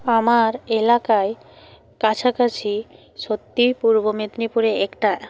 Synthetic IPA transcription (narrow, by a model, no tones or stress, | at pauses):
amaɾelakae | kat͡ɕʰakat͡ɕʰi | ʃot̪ːipuɾbomet̪nipuɾeɛkʈa